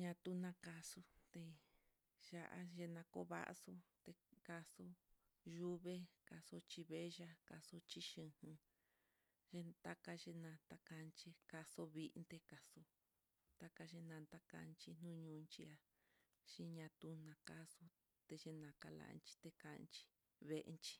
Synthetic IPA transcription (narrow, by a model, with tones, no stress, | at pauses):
ɲã˧t̪u˦nã˧ka˧su˧t̪e˧ | ʒa˧ʔa̰˧ʒe˧nã˧ko̰˧˦βa̰˦ʔso˦t̪e˧ka˧so˧˦ | ʒu˦βe˦ka˧so˧t͡ʃi˧βe˦˧ʒa˦ka˨so˧t͡ʃi˧ʃĩ˧hɨ̃˧ | ʒe˧t̪a˦ka˧ʒe˧nã˧nt̪a˦ka˧nt͡ʃi˧ka˧so˧βi˧ʔnt̪e˧ka˨so˧ | t̪a˦ka˧ʒe˧nã˧nt̪a˦ka̰˧nt͡ʃi˧n̥ũ˦ɲũ˧nt͡ʃi˧a˧ | ʃĩ˦ɲã˧t̪u˧˦nã˧ka˦so˧ | t̪e˧ʒe˧nã˨ka˧la̰˧˨˧nt͡ʃi̥˧t̪e˧ka˧nt͡ʃi̥˧ | βe˦ʔnt͡ʃi̥˦